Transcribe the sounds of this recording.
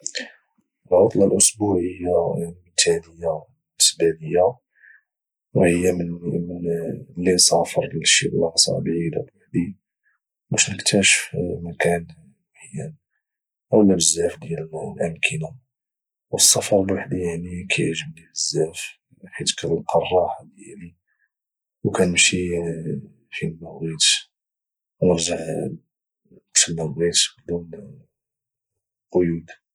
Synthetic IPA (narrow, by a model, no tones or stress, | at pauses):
lʕot̪ˤlɑlʔʊsbuʕhəjːamt̪ʰædəjːa | nːəsbæləjːa | whəjːaməmənlːisˤɑfɑɾˤlʃibəlʕɑsˤɑ̰ʕbʕid̪abwaħd̪i | bæʃnəkt̪ʰæʃəfmækæn | mħəjæn | ʔəwlːæbəzːæfd̪jællʔəmkʰəna | wəsˤːɑfɑɾˤbaħd̪ijaʕnikʰæjʒəbniləzːæf | ħit̪kællqʰɑrˤːɑħɑd̪jæli | wkænəmʃi | filːæɾit̪ | wnəɾʒəʕ | bʃəlːæmɾit̪bd̪un | qojud̪